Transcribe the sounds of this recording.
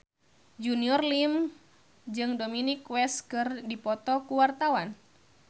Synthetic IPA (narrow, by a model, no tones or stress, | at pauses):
d͡ʒuniɔrlim | d͡ʒɨŋdominikwɛskɨrdipɔt̪ɔkuwart̪awan